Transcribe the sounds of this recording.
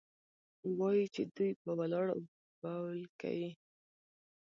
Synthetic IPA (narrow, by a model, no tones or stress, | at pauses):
wɑjit͡ʃed̪ujpəwalɑɽa̰ | bawlka̰wi